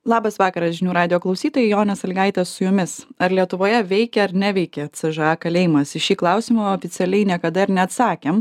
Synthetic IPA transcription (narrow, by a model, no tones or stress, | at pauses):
lˠɑːbɐsʋɑːkɐɾɐsʒʲɪnʲuːɾɑːd̪ʲɪjoːklˠɐʊsʲiːt̪oːjɛɪjoːnʲɐsɐlʲɡɐɪt̪ʲɛssʊjʊmʲɪsɐɾlʲiɛt̪ʊʋoːjɛʋʲɛɪkʲɛɐɾnʲæʋʲɛɪkʲɛt͡s̪ʲɛʒɐɑːkɐlʲɛːɪmɐsɪʃʲiːklˠɑʊsʲɪmɐoːfʲɪsʲɛlʲɛɪnʲiɛkɐd̪ɐɪɾnʲɛɐt̪sɑːkʲem